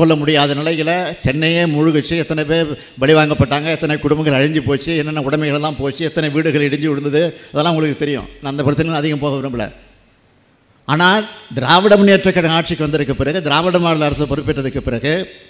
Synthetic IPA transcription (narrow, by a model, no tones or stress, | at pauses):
kɔɭːɐmʊɽɪjaːðɐnɪlɐɪlɐt͡ʃɛnːɐjeːmʊɻʊɣɯt͡ʃːɯɛt̪ːɐnɛpeː | ʋɐɭɪʋaːŋɡɐpːɐʈːaːŋɡɐɛt̪ːɐnekʊɽʊmbɐŋɡɐɭɐɻɪɲd͡ʒɯpoːt͡ʃːɯɛnːɐnːaʊɽɐmɛɪɣɐɭlːãːpoːt͡ʃːɯɛt̪ːɐnɛʋiːɽɯɣɐɭɪɽɪɲd͡ʒɯɪɽɯnd̪ɐðɯɐðɛlːãːʊŋɡɐɭɯkːɯt̪ɛɾɪjʊ̰̃naːɐnd̪ɐpɪɾɐt͡ʃːɐnɪlãːɐðɪɣɐmpoːɣɐʋɪɾɯmbɯlːɐ̰ | aːnaːd̪ɪɾaːʋɐɽɐmɐnɪjɐʈrɐkːɐɽɐaːʈ̚t͡ʃɪkːɯʋɐnd̪ɪɾɯkːɐpɪɾɐɣɯd̪ɪɾaːʋɐɽɐmaːɽɐlɐɾɐsɐpɐɾɯpːɪʈːɐðɯkːɯpɪɾɐɣɯ